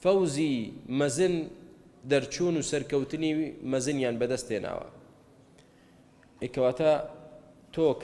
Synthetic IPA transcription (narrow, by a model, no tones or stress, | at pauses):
fɐwzimɐzɨnd̪ɐɾt͡ʃʰuːnuːsɐɾkɐwt̪ɨnimɐzɨnjaːnbɐd̪ɐst̪ena̰ːwɐ̰ | ekɐwaːt̪ʰa | t̪ʰok